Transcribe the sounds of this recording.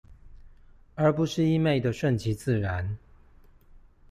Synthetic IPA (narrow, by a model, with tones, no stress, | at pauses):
ə˞˧˥pu˨˦ʂɻ̩˥˨i˥me˥˩ɪd̪ə˨ʂwə˥˨nt͡ɕʰi˧˥˦t͡sɹ̩˥˨ɻa˨˦n